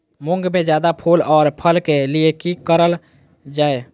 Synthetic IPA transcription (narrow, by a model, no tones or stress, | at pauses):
mʊ̃ŋɡmẽd͡ʒjaːd̪apʰulɔːɾpʰəlkeliekikəɾəl | d͡ʒaːe